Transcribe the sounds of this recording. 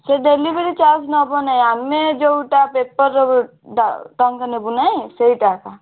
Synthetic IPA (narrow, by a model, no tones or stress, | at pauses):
seɖelibeɽit͡ʃaːsnɔbənaaːnmẽd͡ʒoʈapeːpːəɾ | ɖaʈə̃ŋkənebunaeseiʈaːka